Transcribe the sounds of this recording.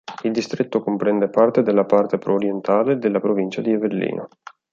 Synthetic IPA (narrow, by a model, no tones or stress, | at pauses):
ild̪ist̪ɾet̪ːokompɾɛnd̪epart̪ed̪elːapart̪epɾoːɾjent̪aːled̪elːapɾovint͡ʃad̪ieverlḭːnʔo̰